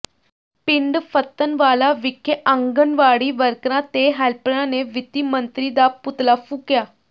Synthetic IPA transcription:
piɳɖfət̪ːənʋalaʋikʰːəʔəŋɡənʋaɽiːʋəɾkɾãt̪eɦalpəɳãneʋit̪imənt̪ɾid̪aput̪lafukja

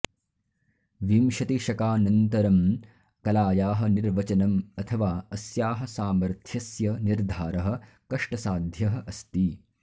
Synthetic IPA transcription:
ʋimʃɐt̪iʃɐkaːnɐnt̪ɐɾɐm | kɐlaːjaːɦɐ̆niɾʋɐt͡ʃɐnɐmɐt̪ʰɐʋaːɐsjaːɦɐ̆saːmɐɾt̪ʰjɐsjɐniɾd̪ʱaːɾɐɦɐ̆ | kɐʂʈɐsaːd̪ʱjɐɦɐ̆ʔɐst̪i

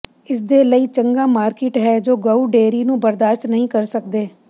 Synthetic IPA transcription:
ɪsd̪eːləiːt͡ʃəŋɡaːmaːɾkɪʈɦɛːd͡ʒoːɡəuːɖeːɾiːnũːbəɾd̪aːʃʈnəɦĩːkəɾsəkd̪eː

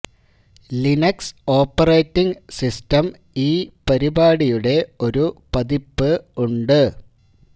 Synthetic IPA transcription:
linɐkso̞ːpːɐrejtːiŋsistɐm | iːpɐɾibaːɽijuɽe̞o̞ɾupɐðipːɨuɳɖɨ

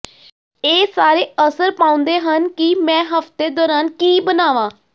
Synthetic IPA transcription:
eːsaːɾeːəsəɾpãːʊ̃nd̪eːɦənkimɛ̃ːɦəft̪eːd̪ɔːɾaːnkiːbənaːʋãː

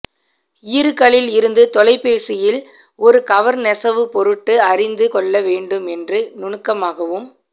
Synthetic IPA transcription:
iːɾɯkːɐɭɪlɪɾɯnd̪ɯt̪ɔlɐɪpːeːsɪjɪl | ɔɾɯkɐʋɐɾnɛsɐʋɯpɔɾɯʈːɯɐrɪnd̪ɯkɔɭːɐʋeːɳɖɯmɛndrɯnʊɳɯkːɐmaːɣɐʋɯm

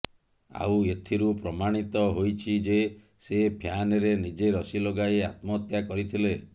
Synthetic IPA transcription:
a̰wet̪ʰiɾupɾɔmaɽ̃it̪ɔɦojt͡ʃʰid͡ʒe | sepʰjanɔɾenid͡ʒeɾɔsiloɡajeat̪mɔt̪jakɔɾit̪ʰile

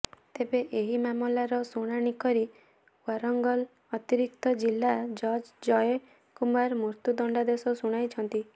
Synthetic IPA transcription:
t̪ebeʔeɦimamɔlaɾɔsuɽ̃aɽ̃ikɔɾi | waɾɔŋɡɔl | ɔt̪iɾik̚t̪ɔd͡ʒilːad͡ʒɔɾd͡ʒd͡ʒɔje | kumaɾmuɾt̪ud̪ɔɳɖad̪esɔsuɽ̃ajt͡ʃʰɔnt̪i

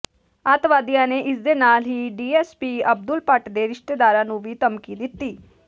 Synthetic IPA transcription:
aːt̪ʋaːd̪ijãːneːʔɪsd̪eːnaːlɦiːɖiːɛːspiːəb̚d̪ʊlpəʈd̪eːɾɪʃt̪eːd̪aːɾãːnũːʋiːt̪əmkiːd̪ɪt̪ːiː

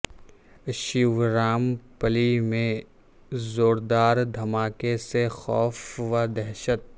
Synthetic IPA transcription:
ʃiʋɾaːmpəlimẽ | zoːɾd̪aːɾd̪ʱɐmaːkesexɔːfʋad̪ɛɦʃət̪̚

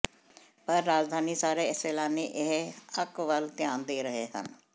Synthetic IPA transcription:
pəɾːaːd͡ʒd̪ʱaːniːsaːɾeːɪseːlaːneːʔɪɦəkʋəlt̪ɪjãːnd̪eːɾəɦeːɦə̰n

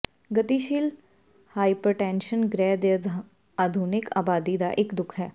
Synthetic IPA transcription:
ɡɐt̪iʃiːl | haːipɾəʈɛ̃ːnʃənɡɾɛːd̪ə | aːd̪ʱuːnɪka̰ːbaːd̪id̪a̰ʔɪkd̪ʊkʰɦɛː

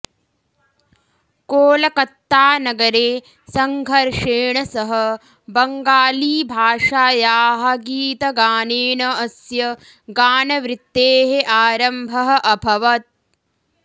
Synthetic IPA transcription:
koːlɐkɐt̪ːaːnɐɡɐɾeː | sɐŋɡʱɐɾʂeːɳɐsɐɦɐ | bɐŋɡaːliːbʱaːʂaːjaːɦɐɡiːt̪ɐɡaːneːnɐɐsjɐ | ɡaːnɐʋɾɪt̪ːeːɦeʔaːɾɐmbʱɐɦɐ̆ʔɐbʱɐʋɐt̪̚

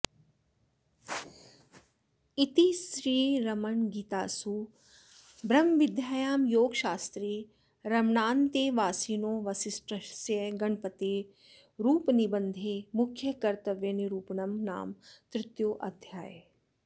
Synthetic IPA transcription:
it̪isɾiːɾɐmɐɳɡiːt̪a̰ːsu | bɾɐmʋɪd̪ʱjaːjaːmjoːɡʃaːst̪ɾeː | ɾɐmɳaːnt̪eːʋaːsiːnoːʋɐsɪsʈɾɐsɐɡɐɳpɐt̪eː | ɾuːpnibənd̪ʱeːmʊkʰjɐkɐɾt̪ɐʋjɐniɾuːpnɐmna̰ːmt̪ɾɪt̪joːʔɐd̪ʱjaːje

